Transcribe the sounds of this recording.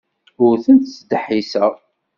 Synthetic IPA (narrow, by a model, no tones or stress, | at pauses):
ʊɾθənt̪t͡sd̪əħisæ